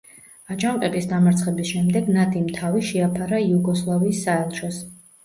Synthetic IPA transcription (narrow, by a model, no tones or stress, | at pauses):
at͡ʃʼamqʼɛbisd̪amaɾt̪sʰχɛbisʃɛmd̪ɛɡnad̪ʰimt̪ʰaviʃɛapʰaɾaiuɡɔslˠaviːsːaɛlˠʃɔs